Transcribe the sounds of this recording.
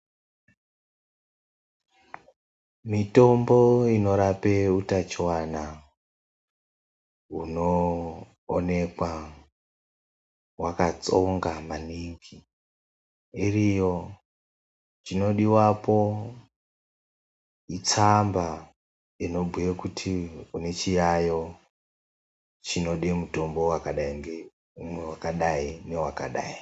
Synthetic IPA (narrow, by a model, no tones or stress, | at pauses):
mito̞mboino̞ɾapeutat͡ʃiwana | ɦunoː | ne̞kwa | wakat͡so̞ŋɡamaniŋki | irijo | t͡ʃino̞ɗiwapo̞ | it͡samba | ino̞bʱujekutʰiune̞t͡ʃijajo̞ | t͡ʃino̞ɗemuto̞mbo̞wakaɗaiŋɡe | umwewakaɗaine̞wakaɗa̰ːi